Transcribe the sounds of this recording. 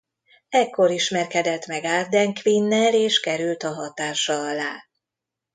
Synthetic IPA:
ɛkːo̞ɾiʃmɛrkɛd̪ɛt̪mɛɡaːrd̪ɛŋkʋinːɛleːʃkɛɾylt̪ɒɦɒt̪aːʃɒɒlaː

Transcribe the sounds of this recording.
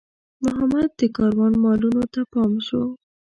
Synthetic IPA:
mʊɦamad̪̚d̪əkɑɾwɑnmɑlunot̪apɑmʃo

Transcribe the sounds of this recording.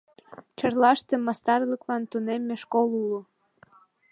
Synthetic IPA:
t͡ɕərlɑʃt̪emɑst̪ɑrləklɑnt̪unemːeʃkolulu

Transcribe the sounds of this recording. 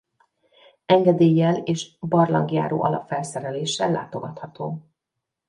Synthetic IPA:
ɛŋɡɛd̪eːjːɛleːʃbɒrlɒ̰ŋɡja̰ːɾo̰ːʔɒlɒpfɛlsɛɾɛleːʃɛlːa̰ːt̪o̞ɡɒt̪hɒt̪oː

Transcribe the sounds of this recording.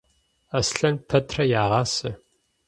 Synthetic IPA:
ɐsɬɐnpʰɐtʰrɐjaːʁɑːsɨ

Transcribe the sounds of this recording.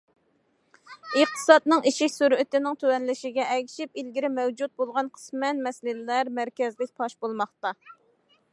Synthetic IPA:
əχt̪ʰɨ̥sɑd̪nɨŋiʃiʃsuɾɪt̪ɪnɪŋt̪ʰøwɛnlɪʃɪɡʲɛɛɡʲiʃipilɡʲiɾɪmɛwd͡ʒut̪̚bolˠʁɑnqʰə̥smɛnmɛslɪllæɾmæɾkʲɛzlɪk̚ʲpʰɑʃbolˠmɑχt̪ɑ

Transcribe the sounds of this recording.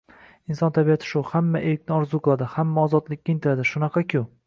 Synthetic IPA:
ɪnsɒnt̪ʰabijat̪ʰɪ̥ʃʊhamːaʔejɪk̚ʲnɪɒɾzuqʰɨlˠad̪ɪhamːaɒzɒt̪lɪkʲːaɪnt̪ʰɪɾad̪ɪʃʊnɑqʰɑkʲʰʊ

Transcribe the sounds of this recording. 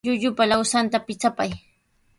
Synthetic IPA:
ʎʊʎʊpalawsant̪apɪt͡sapaj

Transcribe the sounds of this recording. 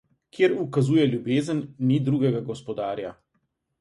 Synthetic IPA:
kʰjeːɾukazuːjɛljubeːzənːid̪ɾuːɡɛɡaɡɔspɔd̪aːɾja

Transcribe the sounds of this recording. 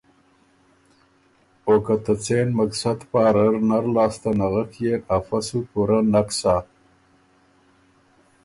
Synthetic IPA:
okat̪ət͡senmaksad̪paːɾəɾnaɾlɑːst̪anaɣəkjeafasukuɾanaksa

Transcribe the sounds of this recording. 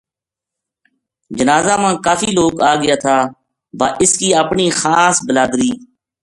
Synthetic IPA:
d͡ʒənaːzaːmãːkaːfiːloːkaːɡɪjaːt̪ʰaː | baːʔɪskiːəpɳiːxaːsbəlaːd̪ɾiː

